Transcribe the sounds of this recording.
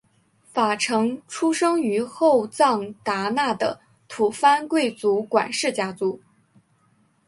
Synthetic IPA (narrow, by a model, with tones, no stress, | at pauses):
fa˨˩ʈ͡ʂʰɤ˧˥ŋʈ͡ʂʰu˥ʂɤ˥ŋy˧˥xo˥˧ʊt͡sɑ˥˩ŋt̪a˧˥na˥˩d̪ə˩ | t̪ʰu˨˩fa˥nkwe˥˩ɪt͡su˧˥kwa̰˨˩nʂɻ̩˥˩t͡ɕja˥t͡su˧˥